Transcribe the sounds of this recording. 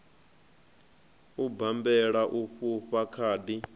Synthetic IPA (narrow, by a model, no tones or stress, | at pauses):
ubambɛɺaʔuɸuɸakʰaːdi